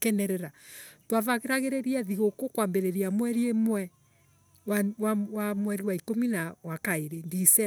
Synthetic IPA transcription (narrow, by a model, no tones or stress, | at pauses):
kɛnɛɾɛɾatwavaɣeɾaɣeɾeɾiɛðiɣokokwambeɾeɾiamwɛɾiemwɛ | wawawamwɛɾiwaikominawakaeɾendisɛ